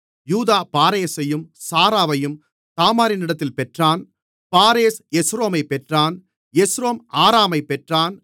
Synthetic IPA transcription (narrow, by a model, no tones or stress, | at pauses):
juːðaːpaːɾeːsɐjɯmsaːɾaːʋɐjɯm | t̪aːmaːɾɪnɪɽɐt̪̬ːɪlpɛʈraːn | paːɾeːsɛsɾoːmɐɪpɛʈraːn | ɛsɾoːmʔaːɾaːmɐɪpːɛʈraːn